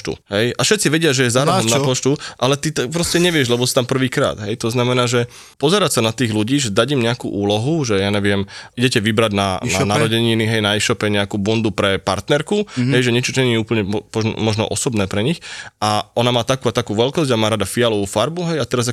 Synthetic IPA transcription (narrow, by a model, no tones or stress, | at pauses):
t̪ṵɦɛjafʃɛt̪t͡siʋɛɟɪaʒɛjɛzaːɾɔɔmnapɔt͡ʃt̪uʔalɛt̪it̪apɾɔscɛɲɛʋɪɛʒlɛbɔsi̥t̪ampr̩ʋiːkɾa̰ːd̪ɦɛjt̪ɔznamɛnaːʒɛ | pɔzɛɾacsanat̪iːɣluɟiːʒɛd̪aɟimɲɛakṵːʔuːlɔɦuʒɛjaːɲɛʋɪɛmiɟɛcɛʋibɾaɟna̰nanaɾɔɟɛɲiniɦɛjnaɛʃɔpɛɲɛakuːbund̪upɾɛpa̰ɾt̪nɛɾkuɦɛjʒɛɲɛt͡ʃɔt̪ɔɲɛniɛuːpl̩ɲɛɔpɔʒnɔ̰mɔʒnɔ̰ʔɔsɔbnɛːpɾɛɲixaʔɔnamaːt̪akuːat̪akuːʋɛlkɔzɟamaːɾad̪afialɔʋuːfaɾbuɦɛjat̪ɛɾaza